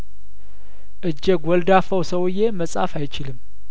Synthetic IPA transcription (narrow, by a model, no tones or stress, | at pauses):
ʔɨd͡ʒːɛɡwɔld̪afəwsəwɨje̞məsʼa̰fajt͡ʃɪlɨm